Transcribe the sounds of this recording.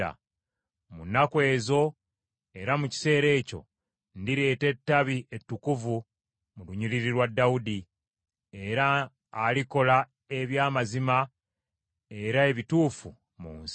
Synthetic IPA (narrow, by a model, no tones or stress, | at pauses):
a̰ | munːakwe̞ːzo̞ | e̞ɾamuci̥se̞ːɾe̞ːco̞̰ | ndiɾe̞ːte̞tːaβiʔetːukuvu | muluɲiliɾiɾwadːaudi | e̞ɾaː | liko̞la | e̞βjaːmazima | e̞ɾae̞βituːfu | mṵːns